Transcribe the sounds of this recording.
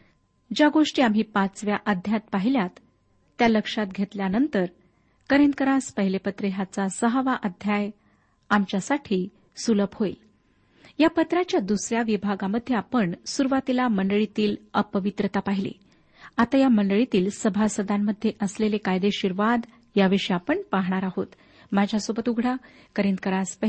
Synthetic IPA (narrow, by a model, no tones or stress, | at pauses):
d͡ʑaɡoʂʈiːamɦiːpat͡sʋjaʔəd̪ʱjat̪̚paɦiljat̪ː | jaləkʂat̪̚ɡʱet̪ljanənt̪əɾ | kəɾenkəɾaspəɦilepət̪ɾəɦat͡sasəɦəʋaʔəd̪ʱjaj | amt͡ɕjasaʈʰiː | suləphoil | japət̪ɾat͡ɕjad̪usɾjaʋibʱaɡaməd̪ʱːjeapəɳsuɾuʋat̪ilaməɳɖəɭit̪iːləpəʋit̪ɾət̪apaɦilḭ | at̪ajaməɳɖəɭit̪iːlsəbʱasəd̪amːəd̪ʱːjeʔəslelekajd̪eɕiɾʋad̪ | jaʋiʂiapəɳpaɦɳ̃aɾaɦot̪ | mad͡ʑʱjasobət̪uɡʱɽa | kəɾẽnd̪̚kəɾaspə